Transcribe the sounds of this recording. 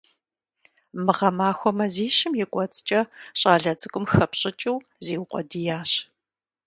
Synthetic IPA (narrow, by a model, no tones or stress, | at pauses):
mɨʁɐmaːxʷɔmɐziːɕɪmjɛkʷʼɔt͡sʼt͡ʃʼɐɕʼaːɮɐt͡sʼɨkʷʼʊmxɐpɕʼɪt͡ʃʼɪw | zeːwqʷʼɔdijaːɕ